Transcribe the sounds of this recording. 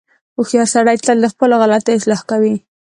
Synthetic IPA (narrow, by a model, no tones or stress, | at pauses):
oxjɑɾsaɽajt̪əld̪əxpəloɣalat̪aɪslɑhkawi